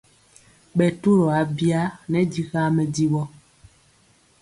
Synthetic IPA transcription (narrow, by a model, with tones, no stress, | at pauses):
ɓɛ˨tu˦ɾɔ˨a˨˦bja˦nɛ˨˦di˦ɣa˦mɛ˨di˦wɔ˦